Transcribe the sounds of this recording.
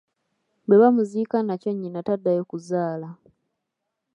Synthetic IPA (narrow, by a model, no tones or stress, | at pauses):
beβamuziːkanacoɲːinatadːajokuzaːla